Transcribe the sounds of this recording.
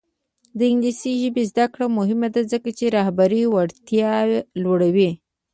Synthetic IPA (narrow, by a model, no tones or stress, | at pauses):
d̪əɪŋɡlisiʒəbezd̪akɽamʊɦɪmad̪azəkat͡ʃeɾɑhbaɾiwaɽt̪jɑlwaɽawi